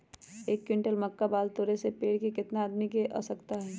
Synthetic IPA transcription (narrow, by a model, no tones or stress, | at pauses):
eːkːwɪ̃ɳʈəlmɐkːabaːlt̪oːɾesepeːɽkekɪt̪naaːd̪mikeʔa̰sɐkt̪aɦɛː